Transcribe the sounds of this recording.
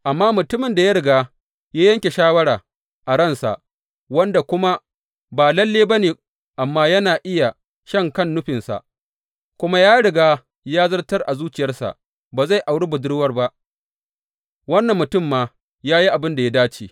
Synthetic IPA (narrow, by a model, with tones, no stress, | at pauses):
ʔa˨mːaː˦mʊ˨tʊ˦mɪ˨nda˨ja˦ɽɪ˨ɡaː˦ | jaː˦jɐ˦ŋkʲe˨ʃaː˦wɐ˦ɽaː˨ | ʔa˨ɽɐ˦˨nsa̰˨ʔ | wɐ˦nda˨kʷʊ˦ma˦ | baː˨lɐ˦lːeː˦bɐ˦neː˨ | ʔa˨mːaː˦jɐ˦naː˨ʔɪ˦ja˨ | ʃɐ˦˨ŋkɐ˦˨nːʊ˦ɸɪ˨nsa̰˨ʔ | kʷʊ˦ma˦jaː˦ɽɪ˨ɡaː˦ | jaː˦zɐ˦rtɐ˦rʔa˨zuː˦t͡ʃɪ˨jɐ˦rsa̰˨ʔ | baː˨za˦˨jʔa˨wɽiː˦bʊ˨dʊ˦ɽwɐ˦rba˦ʔ | wɐ˦nːɐ˨mːʊ˨tʊ˦˨mːaː˦ | jaː˦ji˦ʔa˨bɪ˦nda˨ja˦daː˦t͡ʃiː˨